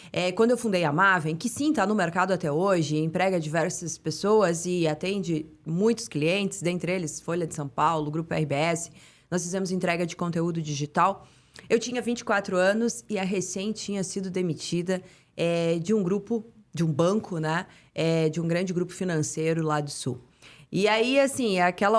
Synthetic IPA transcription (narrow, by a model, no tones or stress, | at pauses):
ɛkwɐ̃d̪ʊewfũnd̪ejamavẽj̃kɪsĩt̪anʊmeɾkad̪ʊat̪ɛoʒɪẽt̪ɾɛɡɐd͡ʒivɛɾsɐspesoɐzɪat̪ẽnd͡ʒɪmũj̃t̪ʊ̥skliẽnt̪ɪ̥zd̪ẽnt̪ɾɪelɪsfoʎɐd͡ʒɪsɐ̃w̃pawlʊɡɾupʊɛ̰hɪbeɛsɪ̥ | nɔsfizẽmʊzẽnt̪ɾɛɡɐd͡ʒɪkõnt̪eud̪ʊd͡ʒiʒit̪aw | ewt͡ʃĩɲɐvĩnt͡ʃɪ̥kwat̪ɾʊɐ̃nʊsɪɐɦesẽj̃t͡ʃĩɲɐsid̪ʊd̪emit͡ʃid̪ɐ | ɛd͡ʒɪũɡɾupʊd͡ʒɪũbɐ̃kʰʊnɛ | ɛd͡ʒɪũɡɾɐ̃nd͡ʒɪɡɾupʊ̥finɐ̃sejɾʊlad̪ʊsṵw | ɪaiasĩakɛlɐ